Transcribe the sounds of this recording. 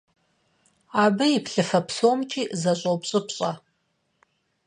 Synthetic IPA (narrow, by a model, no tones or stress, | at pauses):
aːbɨipɬɨfɐpʰsomt͡ʃʰʼiːʔzɐɕʼopɕʼɨpɕʼɐ